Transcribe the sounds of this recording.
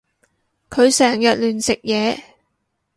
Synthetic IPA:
kʰɵ˨˧ɥsɛː˨˩ŋjɐ˨t̚lyː˨nsɪ˨k̚jɛː˨˧

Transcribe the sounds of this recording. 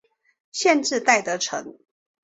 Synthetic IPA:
ɕjɛ˥˧nʈ͡ʂɻ̩˥˧t̪a˥˩ɪt̪ɤ˧˥ʈ͡ʂʰɤ̰˧˥ŋ

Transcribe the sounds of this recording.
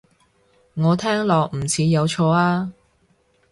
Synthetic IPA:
ŋɔː˨˧t̪ʰɛː˥ŋlɔː˨k̚m̩˨˩t͡sʰiː˨˧jɐ˨˧wt͡ʃʰɔː˧aː˥

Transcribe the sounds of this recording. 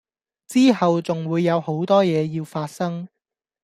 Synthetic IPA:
t͡siː˥ɦɐ˨wt͡sʊ˨ŋwuː˨˧jːɐ˨˧who˨˥wt̪ɔː˥jɛː˨˧jiː˧wfaː˧t̚sɐ˥ŋ

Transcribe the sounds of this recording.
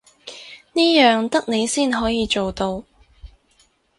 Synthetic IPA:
niː˥jœː˨ŋt̪ɐ˥k̚ne˨˧jsiː˥˩nɦɔː˨˥jiː˨˧t͡ʃo˨wt̪o˧w

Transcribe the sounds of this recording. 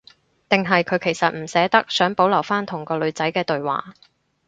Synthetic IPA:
t̪ɪ˨ŋɦɐ˨jkʰɵ˨˧ɥkʰe˨˩jsɐ˨t̚m̩˨˩sɛː˨˥t̪ɐ˥k̚sœː˨˥ŋpo˨˥wlɐ˨˩wfaː˥nt̪ʰʊ˨˩ŋkɔː˧lɵ˨˧ɥt͡sɐ˨˥jkɛː˧t̪ɵ˨ɥwa̰ː˨˩

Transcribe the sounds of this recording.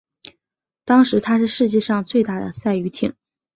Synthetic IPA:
t̪ɑ˥ŋʂɻ̩˧˥t̪ʰa˥ʂɻ̩˥˧ʂɻ̩˥˧t͡ɕjɛ˥˧ʂɑ˥˧ŋt͡swe˥˧ɪt̪a˥˩d̪ə̰˩sa˥˩ɪy˧˥t̪ʰḭ˨˩˦ŋ

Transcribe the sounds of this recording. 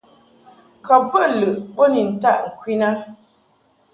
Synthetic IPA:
kɔ˨pə˦lɨ˨ʔbo˦ni˨n̩˨ta˦ʔŋ̩˨kwi˦na˦

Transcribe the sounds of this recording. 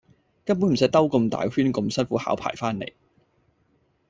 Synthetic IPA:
kɐ˥np̬u˨˥nm̩˨˩s̬j̚t̪ɐ˥wkɔ˧mt̪a̰ː˨jhyː˥nkɔ˧msɐ˥nfuː˨˥ha̰ː˨˥wpʰa̰ː˨˩jfaː˥nːḛ˨˩j

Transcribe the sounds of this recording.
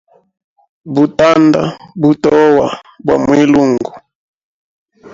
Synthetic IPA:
bu˨ta˦nda̰˦bu˨tɔ˦wa˨ | bwa̰˨mwi˦lu˦˨ŋɡu˨

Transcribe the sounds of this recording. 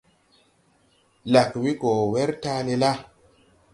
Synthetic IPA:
la˨kwi˦ko˨wɛ˦ɾta˦le˧la˦

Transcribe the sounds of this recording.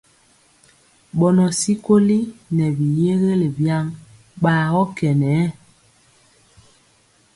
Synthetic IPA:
ɓɔ˨nɔ˨si˦ko˦li˦nɛ˨bi˨je˦ɣe˦le˨bja˦ŋ | ɓaː˨ɣɔ˦kɛ˨nɛ˨˦

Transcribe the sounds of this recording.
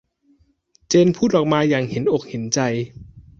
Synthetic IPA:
t͡ɕeː˧npʰuː˥˩t̪ʔɔː˨˩k̚maː˧jaː˨˩ŋhe˩˦nʔo˨˩k̚he˩˦nt͡ɕa˧j

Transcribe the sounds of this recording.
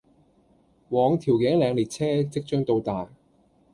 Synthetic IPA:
wɔː˨˧ŋt̪ʰiː˨˩wke˨˥ŋlɛː˨˧ŋliː˨˩t̚t͡sʰɛː˥t͡sɪ˥k̚t͡ʃœː˥ŋt̪o˧wt̪aː˨˩j

